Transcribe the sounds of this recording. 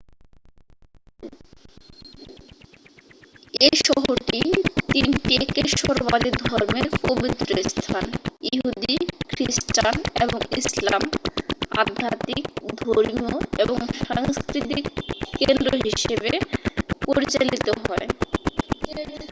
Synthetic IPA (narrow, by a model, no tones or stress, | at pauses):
eʃɔɦoɾʈit̪inʈiekeʃoɾbaɾiɾd̪ʱɔɾmepobit̪ːɾost̪ʰanjiɦɦud̪ikʰɾisʈaneboŋisla̰m | a̰d̪ʱːat̪ik̚d̪ʱoɾmioeboŋʃaŋskɾit̪ikːend̪ɾoɦiʃebepoɾit͡ɕalit̪oɦɔe